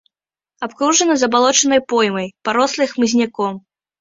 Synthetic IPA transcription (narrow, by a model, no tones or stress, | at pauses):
apkɾuʐɐnɐzɐbalˠɔt͡ʂɐn̪ɐjpɔjmɐjpaɾɔslˠɨjxmɨzʲnʲakɔm